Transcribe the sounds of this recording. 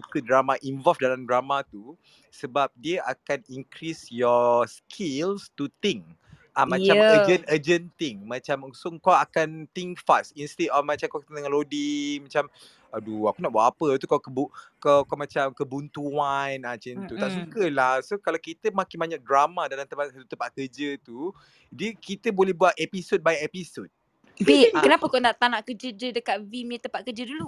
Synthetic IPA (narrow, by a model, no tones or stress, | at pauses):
sukədɾamaʔinvɔlfdalamdɾamãt̪u | səbap̚diəʔakaniŋkɾisjɔskʰilst̪ut̪iŋ | ʔamãt͡ʃaəd͡ʒənəd͡ʒənt̪ɪŋmãt͡ʃamsoŋkɔakant̪iŋfastinst̪etɔfmãt͡ʃamkakt̪nŋalodimat͡ʃam | aduakunaʔbuaʔapət̪ukawkəbukakamãt͡ʃamkəbunt̪uanat͡ʃint̪ut̪aʔsukəlahsokalakit̪əmãkɪnmaɲak̚dɾamãdalamt̪əpasat̪ut̪əmpaʔ̪̚kəd͡ʒət̪u | dikit̪əbolɛhbuatʔɛpisod̚bajɛpisod̚ | bekənapəkanaʔt̪anaʔkəd͡ʒəd͡ʒədəkat̪̚vimit̪əmpat̪̚kəd͡ʒədulu